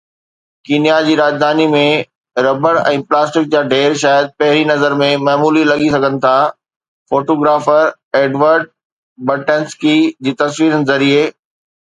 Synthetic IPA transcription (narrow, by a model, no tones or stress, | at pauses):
kinijad͡ʑiːɾaːd͡ʑd̪ʱaːnimẽ | ɾɐbəɾɛ̃ːplaːsʈɪk̚d͡ʑaːɖʱeːɾʃaːjəd̪̚pɐɦɪɾinɐzəɾmẽmaːmuːlilɐɠisɐɡʱənɪ̆t̪ʰa | foːʈoːɡɾaːfəɾ | eːɖʋəɾɖ̚ | bɐʈənskid͡ʑiːt̪ɐsʋiːɾən̆zɐɾie